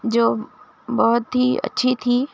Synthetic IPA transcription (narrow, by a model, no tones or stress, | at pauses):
d͡ʒoː | bɔɦʊt̪ɦiə̰tːʃʰit̪ʰiː